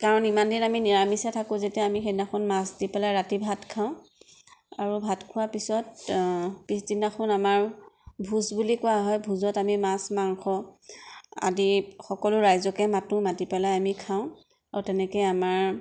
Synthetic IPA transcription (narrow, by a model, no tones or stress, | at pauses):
kaɹɔnimandinaminiɹamisatʰakʊ̃zetɛamixenaxunmasdipɛlajɹatibʱatkʰaʊ̃ | aɹubʱatkʰʊwapisɔt̚ | pisdinaxʊnamaɹbʱusbulikʊaɦɔjbʱuzɔtamimasmaŋxɔ | a̰dixɔkɔlʊɹajzɔkɛmatũmatipɛlajamikʰaʊ̃ | aɹutɛnɛkɔjamaɹ